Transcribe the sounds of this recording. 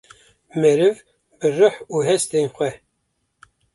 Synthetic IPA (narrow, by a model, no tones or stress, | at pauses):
mɛɾɨv | bɨrəħuɦɛst̪enxʷɛ